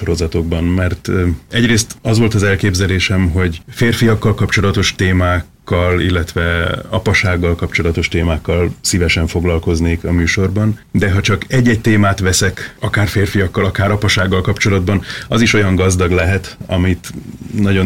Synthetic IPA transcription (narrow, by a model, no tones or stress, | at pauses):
oɾo̞zɒt̪o̞ɡ̚bɒnmɛrt̪ɛɟreːst̪ɒzʋo̞lt̪ɒzɛlkeːbzɛleːʃɛmɦo̞ɟfeːrfijɒkːɒlkɒpt͡ʃo̞lɒt̪o̞ʃt̪eːmaːkːɒlilːɛt̪ʋɛɒpɒʃaːɡːɒlkɒpt͡ʃo̞lɒt̪o̞ʃt̪eːmaːkːɒlsivɛʃɛɱfo̞ɡlɒlko̞zneːkɒmyːʃo̞rbɒnd̪ɛɦɒt͡ʃɒkɛɟːɛc̚t̪eːmaːt̪ʋɛsɛkɒkaːrfeːrfijɒkːɒlɒkaːɾɒpɒʃaːɡːɒlkɒpt͡ʃo̞lɒd̪̚bɒnɒziʃo̞jɒŋɡɒzd̪ɒɡlɛɦɛt̪ɒmit̪nɒɟo̞